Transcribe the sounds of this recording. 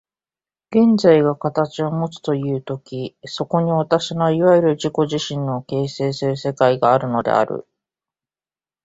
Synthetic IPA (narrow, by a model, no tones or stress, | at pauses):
ɡ̥ẽ̞nd͡zaiɡakat̪at͡ɕio̞mo̞t͡sɨ̥t̪o̞jɯ̟ːt̪o̞kʲiso̞ko̞ɲ̟iβat̪aɕinaiβajiɾɯ̟ʑiko̞ʑiɕĩnːo̞ke̞ːse̞ːsɨɾɯ̟se̞kaiɡaːɾɯ̟no̞d̪e̞̰a̰ɾɯ̟̰